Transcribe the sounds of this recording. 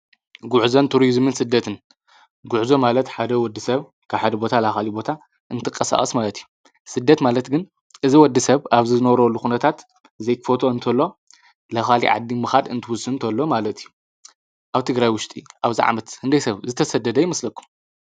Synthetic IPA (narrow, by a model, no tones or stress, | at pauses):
ɡʊʕuzont̪ʰuɾizmɨnsɨd̪ːɐt̪ʰɨn | ɡʊʕzomalɐt̪ħad̪ɐwɔd̪ːɨsɐβ | kʰaβħad̪ɐbo̞t̪ʰalaxalibo̞t̪ʰa | ʔɨnt̪ʰɨkʼːɐsa̰χʼɐsmalɐt̪ijːu | sɨd̪ːɐt̪malɐt̪ɡɨn | ʔɨziwɔd̪ːisɐβaβzizɨnɐβɾolːuxunɐt̪ʰat̪ | ɨzejkfo̞t̪ʰo̞ɨnt̪ʰɐlːo̞ | laxalḭʕa̰d̪ːimɨxad̪ɨnt̪ʰɨwʊsɨnt̪ʰɐlːo̞malɐt̪ʰijːu | ʔaβt̪ʰɨɡɾajwʊʃt̪ʼiʔaβziʕa̰mɐt̪hɨnd̪ɐjsɐβzɨt̪ʰɐsɐd̪ɐd̪ɐjɪmɐslɐkʰːu̥m